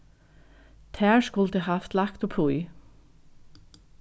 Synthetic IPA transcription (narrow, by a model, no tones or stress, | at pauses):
t̪ʰæːʃkʊlət̪ehɑft̪lɑkt̪ɔpʰʊʏ